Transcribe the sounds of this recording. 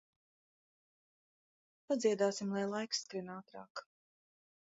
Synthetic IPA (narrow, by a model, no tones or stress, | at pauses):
pad̪ziɛd̪aːsimlˠajlˠajksːkɾinaːt̪ɾa̰ːk